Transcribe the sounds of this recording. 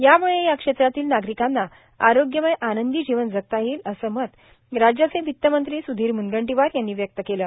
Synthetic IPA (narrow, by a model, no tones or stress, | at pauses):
jamuɭejakʂet̪ɾat̪iːlnaɡɾikanːa | aɾoɡjəməjʔanənd̪id͡ʑiʋənd͡zək̚t̪aɦiːləsəːmət̪ | ɾad͡ʑjat͡sẽʋit̪ːəmənt̪ɾiːsud̪ʱiːɾmunɡəɳʈiʋaɾjanːiːʋjək̚t̪əkeləː